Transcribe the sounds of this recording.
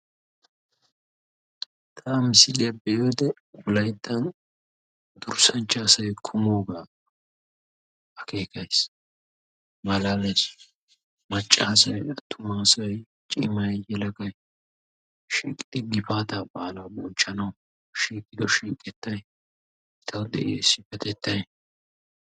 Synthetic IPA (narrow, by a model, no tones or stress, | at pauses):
t̪ʰaːmɪsɪlɪɐbɛjoːd̪ɛ | wʊlɐjd̪ːɐn | d̪̥ʊɾsɐnt͡ʃːaːsɐjkʰʊmo̞ːɡaː | ɐkʰe̞ːkɐjs | mɐlaːlɛs | mɐt͡ʃʼːaːsɐjɐt̪ʰːʊmaːsɐj | t͡ʃʼɪmɐjjɛlɐkɐj | ʃiːkʼɪd̪ɪɡɪpaːt̪ɐbʼaːlɐwbɔnt͡ʃʼːɐnɐw | ʃiːkʼːɪd̪ɔʃiːkʼɛt̪ːɐj | ɪt̪ʰɐwd̪ɛ̰ʔḛːsɪfɛt̪ɛt̪ːɐj